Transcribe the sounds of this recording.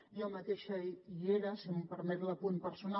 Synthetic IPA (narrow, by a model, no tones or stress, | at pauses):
ʒɔmɐt̪eʃɐiieɾɐsimpəɾmɛt̪lɐpunpəɾsuna